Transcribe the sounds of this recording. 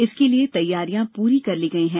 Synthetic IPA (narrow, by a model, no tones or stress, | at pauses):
ɪskeliet̪ɐjːaːɾijãpuːɾikɐɾliɡɐiɦɛ̃ː